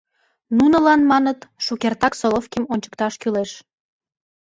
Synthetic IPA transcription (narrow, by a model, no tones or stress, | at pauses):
nunəlɑnmɑnət̪ʃukert̪ɑksolofkʲimonʲt͡ɕə̥kt̪ɑʃkyleʃ